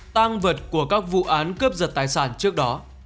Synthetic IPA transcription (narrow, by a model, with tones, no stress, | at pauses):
t̪aː˧ŋvə˨˩t̚ku˧˩əkaː˦˥k̚vṵ˧˨ʔaː˨˦nkə˦˥p̚zə˨˩t̚t̪aː˨˩jsaː˧˩nt͡ɕɨ˦˥ək̚ɗɔ˨˦